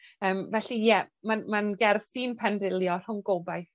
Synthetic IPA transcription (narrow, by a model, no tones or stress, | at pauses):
əːmvɛɬijɛmanmanɡɛrθsiːnpʰɛndɪlˠjɔr̥hʊnɡobaj